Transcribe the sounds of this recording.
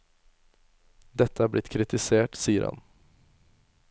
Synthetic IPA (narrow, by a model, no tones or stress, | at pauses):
d̪ɛt̪ʰːaablɪt̪ːkʰɾɪt̪ɪseːʈsiːəɾha̰n